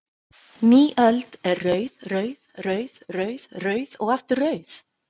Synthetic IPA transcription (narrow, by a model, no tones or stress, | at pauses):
niːʔœlt̪ɛrːœɥðrœɥðrœɥð̥rœɥðrœɥðɔɣɛft̪ʏrrœːɥθ